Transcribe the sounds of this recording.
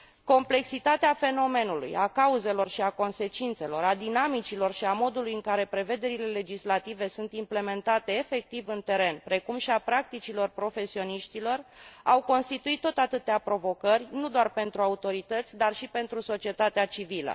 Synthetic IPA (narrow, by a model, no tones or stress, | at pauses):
ko̞mple̞ksit̪at̪eafe̞no̞me̞nulṵjakauze̞lo̞rʃiako̞nse̞t͡ʃint̪se̞lo̞ɾad̪inamit͡ʃilo̞rʃiamo̞d̪ulujɨŋkaɾe̞pɾe̞ve̞d̪e̞ɾile̞le̞d͡ʒislat̪ive̞sunt̪imple̞me̞nt̪at̪e̞ːfe̞k̚t̪ivɨnt̪e̞ɾe̞npɾe̞kumʃiapɾak̚t̪it͡ʃilo̞rpɾo̞fe̞sio̞niʃt̪ilo̞rawko̞nst̪it̪uit̪ːo̞t̪at̪ɨt̪eapɾo̞vo̞kərʲnud̪oarpe̞nt̪ɾuaut̪o̞ɾit̪ət̪sʲd̪arʃipe̞nt̪ɾuso̞t͡ʃie̞t̪at̪eat͡ʃivilə̰